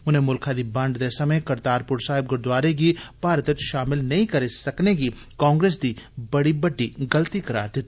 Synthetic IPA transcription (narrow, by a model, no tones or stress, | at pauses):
ʊnɦẽmʊlkʰad̪ibɐ̃ːɳɖd̪ɛːsamẽkɐɾt̪aːɾpʊɾsaːɦɪb̚ɡʊɾd̪waːɾek̬ib̥ʱaːɾt̪ət͡ʃʃaːmɪlnɐɦĩkɐɾesɐkneki | kãːŋɡɾeːs̬d̪ibɐɽibɐʈːiɡɐlt̪ikɐɾa̰ːɾd̪ɪt̪ʰi